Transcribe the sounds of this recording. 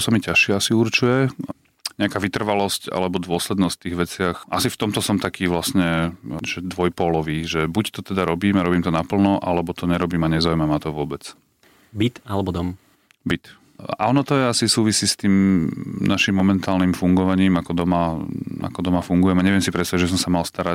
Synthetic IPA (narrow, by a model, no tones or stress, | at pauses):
samicaʃɪɛasiuɾt͡ʃujɛ | ɲɛakaːʋit̪r̩ʋalɔsca̰lɛbɔd̪ʋʊɔslɛd̪nɔst̪iːɣʋɛt͡sɪaxʔa̰sift̪ɔmt̪ɔsɔmt̪akʰiːʋlasɲɛʒ̥ɛd̪ʋɔjpɔlɔʋiːʒɛbuct̪ɔt̪ɛd̪aɾɔbiːmaɾɔbiːmt̪ɔnapl̩nɔʔalɛbɔt̪ɔɲɛɾɔbiːmaɲɛzaujmamat̪ɔʋʊɔbɛt͡s | bit̪alɛbɔd̪ɔm | bit̪ | a̰ɔnɔt̪ɔɛasisuːʋisiːst̪iːmnaʃimːɔmɛnt̪aːlnimfuŋɡɔʋaɲiːmakɔd̪ɔmaa̰kɔd̪ɔmafuŋɡujɛmɛɲɛʋɪɛmsipɾɛsɛɛʒɛs̬ɔmsamalst̪aɾa